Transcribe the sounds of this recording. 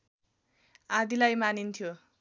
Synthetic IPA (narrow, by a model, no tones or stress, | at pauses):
ad̪ilajmanint̪ʰjo